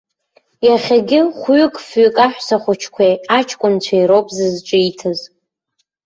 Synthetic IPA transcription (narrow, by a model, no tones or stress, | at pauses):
jaχʲaɡʲɪχʷɥʏkʼfɥʏkʼaħʷᶣsaχʷʊt͡ʃʰkʷʰejat͡ʃʰkʷʼʊnt͡ɕʷʰaiɾowpʼzɨzʈ͡ʂʼɨitʰɨz